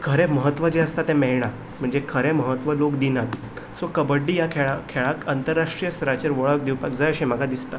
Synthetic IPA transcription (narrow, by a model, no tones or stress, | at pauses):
kʰəɾẽməɦət̪ːʋəd͡ʑeəst̪at̪ɛ̃mɛɭɳ̃a | m̤əɳd͡zekʰəɾeməɦət̪ʋəlokd̪inat̪ | sokəbəɖːijakʰeɭakʰeɭakənt̪əɾːaʂʈɾijəsɾat͡ɕeɾʋəɭək̚d̪iwpakd͡zajəɕim̤əɡʱad̪ist̪a